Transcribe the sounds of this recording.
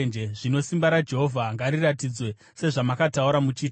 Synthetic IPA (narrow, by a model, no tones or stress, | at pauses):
nd͡ʒeʐino̞simbaɾad͡ʒe̞ɦo̞vʱaŋɡaɾiratid͡zwe̞ | se̞ʐamakatauɾamut͡ʃiː